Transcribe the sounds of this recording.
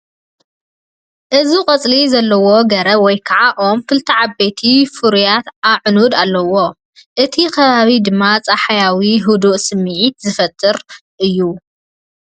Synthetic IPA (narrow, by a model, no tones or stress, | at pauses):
ʔɨziqʼɐt͡sʼlizɐlːɐwo̞ɡɐɾɐwɔjkʰɐʕaʔo̞mkɨlt̪ʰɐʕabet̪ʰifuɾujat̪aʕnud̪alːɐwo̞ | ʔɨt̪ʰikʰɐβaβid̪ɨmːat͡sʼaħajawiɦud̪uʔsɨmːiʕit̪zɨfɐt̪ʰʼːɨɾʔɨjːu